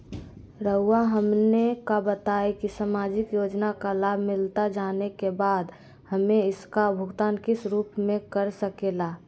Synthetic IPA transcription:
ɾəʊaɦəmnekabət̪aekisamaːd͡ʒɪkjoːd͡ʒnakalaːbʱmɪlt̪ad͡ʒaːnekebaːd̪ | həmẽɪskabʱʊɡt̪aːnkɪsɾuːpmẽkəɾsəkelaː

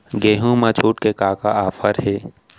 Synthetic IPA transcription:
ɡeːɦũmat͡ʃʰuːʈkekaːkaaːfʰəɾɦeː

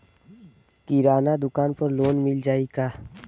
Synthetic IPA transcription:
k̪iɾaːnad̪ʊkaːnpɐɾloːnmɪld͡ʒaːiɡaː

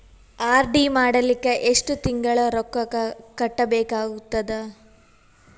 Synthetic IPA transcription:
aːɾɖimaːɽɐlikːeʔeʂʈut̪iŋɡɐɭɐɾɔkːɐɐkɐʈːɐbeːkaːɡut̪ːɐd̪ɐ

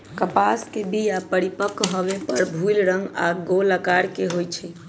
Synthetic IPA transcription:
kəpaskebijapəɽipəkɦɔbepəɾbʱujlɾəŋɡa̰ɡoləkaɾkeɦojt͡ʃʰɛ

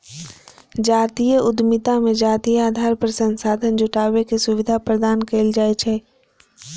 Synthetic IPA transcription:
d͡ʒaːt̪iːjəʔʊd̪mɪt̪amẽd͡ʒaːt̪ijaːd̪ʱaːɾpəɾsə̃nsaːd̪ʱənd͡ʒʊʈaːʋekesʊʋɪd̪ʱapɾəd̪aːnkeːld͡ʒaːet͡ʃʰɛː

